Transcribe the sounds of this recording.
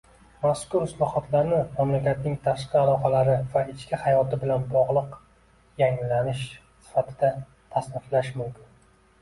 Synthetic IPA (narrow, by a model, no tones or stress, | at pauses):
maskʊɾɪslˠɒhɒt̪ʰlaɾnɪmamlakʲat̪nɪŋt̪ʰaʃqɨalˠɒqɑlaɾɪvaɪt͡ʃʰkʲɪhajɒt̪ɪbɪlanbɒʁlˠɨq | jaŋlanɪʃ | sɪ̥fat̪ʰɪd̪a | t̪ʰasnɪflaʃmʊmkʲʰɪn